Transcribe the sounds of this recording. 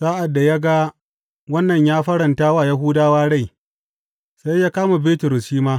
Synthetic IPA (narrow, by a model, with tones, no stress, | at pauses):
saː˦ʔa˨dːa˨ja˦ɡa˦ | wɐ˦nːɐ˨ɲjaː˦ɸɐ˦ɾɐ˨ntaː˦waː˦˨ja˦ɦuː˦daː˦waː˦ɽa˦˨j | sa˦jːaː˦kaː˦ma˨beː˦tʊ˨ɾʊ˨sʃiː˦maː˦